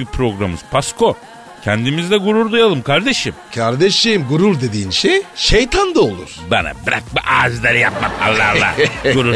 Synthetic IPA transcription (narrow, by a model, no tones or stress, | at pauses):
ipʰɾo̞ɡɾamɯz̥pʰaskʰo̞ | cʰɛnd̪imizd̪ɛɡuɾuɾd̪ujalˠɯmkʰaɾd̪eʃimcʰaɾd̪eʃimɡuɾuɾd̪e̞d̪iːnʃejʃejt̪ʰand̪aolˠṵɾ̥bana̰biɾak̚biʔaːzd̪ˠaɾijap̚mak̪a̰lˠːa̰hlˠa̰oɾu